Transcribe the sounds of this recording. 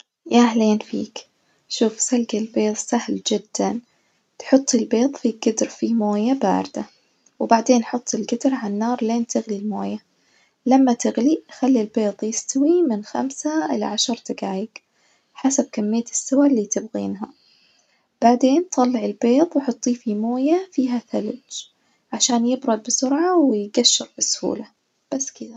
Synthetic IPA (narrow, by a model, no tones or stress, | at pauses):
jaʔahleːnfḭːk | ʃuːfsalɡalbeːðˤsahld͡ʒɪd̪ːan | t̪ħʊt̪ˤːɪlbeːðˤfiɡɪd̪ɾfimoːjaba̰ːɾd̪̥a | wbaʕd̪eːnħʊt̪ˤːɪlɡɪd̪ɾʕanːɑːɾˤleːnt̪ʰɪɣlilmoːja | lamːat̪ɪɣlixalːilbeːðˤjɪst̪awimɪnxa̰msaʔɪ̰la̰ʕaʃɑɾˤt̪aɡaːjɪɡ | ħasab̚kamːɪjːasːawalːiːt̪ɪbɣḭːnɦa | b̥aʕd̪eːnt̪ʰˤɑlːɪʕɪlbeːt̪ˤwħɑt̪ˤːiːfimoːjafiːɦaθalʊd͡ʒ | ʕaʃaːnjɪbɾˤʊd̪̚bɪsʊɾʕawɪjɡaʃːɪɾbɪsʊ̥hṵːla | b̥asːkɪd̪a